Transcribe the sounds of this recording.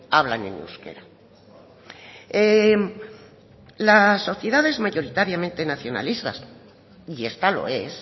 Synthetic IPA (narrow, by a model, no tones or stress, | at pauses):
aβla̰nḛ̃nṵskḛɾa | e | laso̞θje̞ðaðe̞zmaʝoɾit̪aɾjamẽ̞nt̪e̞naθjo̞na̰list̪a̰ | iest̪alo̞̰e̞s